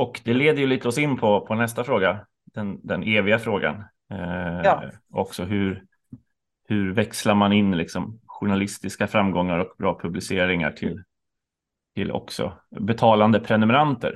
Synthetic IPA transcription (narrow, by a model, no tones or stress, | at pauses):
ɔkd̪ɛleːd̪əjɵliːt̪ɔsɪnːpʰɔpʰɔnɛst̪afɾoːɡa | d̪̥ɛnd̪ɛneːvɪɡafɾoːɡa̰n | ʔɔ̰ksɔɦɵɾ | hɵɾvɛkslaɾmanɪnːlɪksɔmɧʊɳalɪst̪ɪskafɾamːɡɔŋːaɾɔkbɾɑːpʰɵblɪseːɾɪŋa̰ʈʰɪl | t̪ʰɪlʔɔ̰ksɔ̰bɛt̪ʰɑːland̪əpʰɾɛnɵmɛɾant̪ə̰ɾ